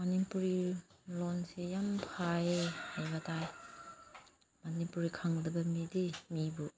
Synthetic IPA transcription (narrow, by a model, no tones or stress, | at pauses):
mɐnipuɾilonsijampʰaehajbɐtʰaj | mɐnipuɾikʰaŋdɐbɐmidimibu